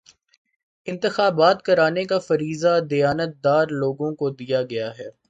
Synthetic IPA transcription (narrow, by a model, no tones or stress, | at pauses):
ɪ̃nt̪ɪxaːbaːt̪̚kɐɾaːnekafɐɾiːzad̪ɐjaːnət̪̚d̪aːɾloːɡõkod̪ijaɡɐjaɦɛː